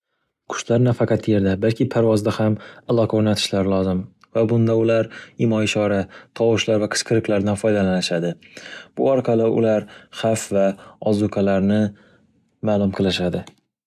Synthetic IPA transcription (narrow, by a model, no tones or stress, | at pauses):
kʰʊ̥ʃlaɾnafaqʰɑt̪je̞ɾd̪abalkʲʰɪpʰaɾvɒzd̪ahamalˠɒqʰoɾnat̪ʰɪ̥ʃlaɾɪlˠɒzɪm | vabʊnd̪aʊlaɾɪmɒɪʃɒɾat̪ʰɒwʊʃlaɾvaqʰɨ̥sqʰɨɾɨklaɾd̪anfɒjd̪alanɪʃad̪ɪb̥ʊɒɾqʰɑlɪʔʊ̰laɾχafvaɒzʊkʰalaɾnɪ | malˠʊmqʰɨlɪʃad̪ɪ